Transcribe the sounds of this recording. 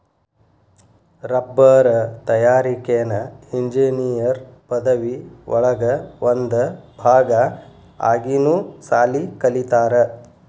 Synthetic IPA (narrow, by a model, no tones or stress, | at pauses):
ɾɐbːɐɾɐt̪ɐjaːɾikeɐnɐiɲd͡ʒinijɐɾpɐd̪ɐʋiʋʔɔ̰ɭɐɡɐʋond̪ɐbʱaːɡɐ | a̰ːɡinuːsaːlikɐlit̪aːɾɐ